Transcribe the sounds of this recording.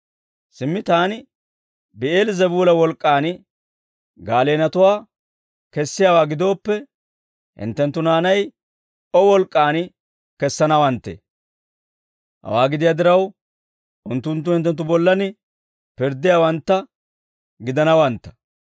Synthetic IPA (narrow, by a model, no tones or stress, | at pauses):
sɪmːɪt̪aːnɪ | bɪʔeːlzɛbuːlɐwɔlkʼːaːnɪ | ɡaːle̞ːnɐt̪ʊwaː | kɛsːɪjaːwaːɡɪd̪o̞ːpːɛ | hɪ̰nt̪ːɛnt̪ːʊnaːnɐj | ɔwɔlkʼːaːnɪ | kɛsːɐnɐwɐnt̪ːḛː | hɐ̰waːɡɪd̪ɪjaːd̪ɪɾɐw | ʔʊnt̪ːʊnt̪̬ːʊhɪnt̪ːɛnt̪ːʊbɔlːɐnɪ | pɪɾd̪ɪjaːwɐnt̪ːɐ | ɡɪd̪ɐnɐwɐnt̪ːɐ̥